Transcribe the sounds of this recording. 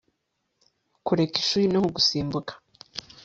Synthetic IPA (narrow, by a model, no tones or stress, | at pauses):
kuɾekiʃuːɾinohoɡusiːmbukḁ